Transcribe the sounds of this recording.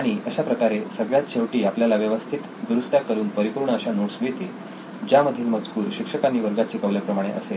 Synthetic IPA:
aɽ̃iʔəɕapɾəkaɾesəɡɭjat̪ɕeʋʈiːapljalaʋjəʋəst̪ʰit̪d̪ɾust̪jakəɾuːnpəɾipuɾɳəːɕanuɽsʋit̪i | d͡ʑjaməd̪ʱilməd͡zkuːɾɕikʂəkanːiːʋəɾɡat͡ɕekəʋlepɾəmaɽ̃ḛʔə̰se

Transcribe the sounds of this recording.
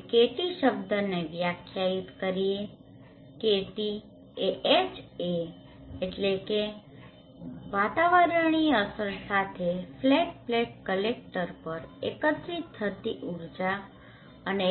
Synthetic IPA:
keʈiʃəbd̪ʱəneʋjakʰjait̪kəɾie | keʈi | eʔet͡ʃe | eʈleke | ʋat̪aʋəɾəɳ̃iəsəɾsat̪ʰefleʈ̚pleʈ̚kəlek̚ʈəɾpəɾḛkət̪ɾit̪ʰːət̪iʔuɾd͡ʒa | əne

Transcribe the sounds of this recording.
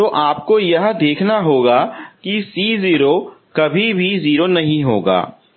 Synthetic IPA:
t̪oʔaːp̚kojɐɦd̪eːkʰnaɦoːɡakisiːziːɾokɐbʱibʱiziːɾonɐɦĩɦoːɡa̰ː

